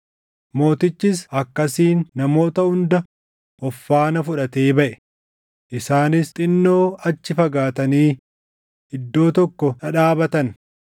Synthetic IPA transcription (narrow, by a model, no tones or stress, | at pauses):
mo̞ːt̪ɪt͡ʃːɪsɐkːɐsiːnːɐmo̞ːt̪ɐhʊnd̪ɐ | ʔɔfːaːnɐfʊᶑɐt̪eːbɐʔɛ̥ | ʔɪsaːnɪst̪ʼɪnːo̞ːɐt͡ʃːɪfɐɡaːt̪ɐniː | ɪd̪ːo̞ːt̪ɔkːɔnɐᶑaːbɐt̪ɐn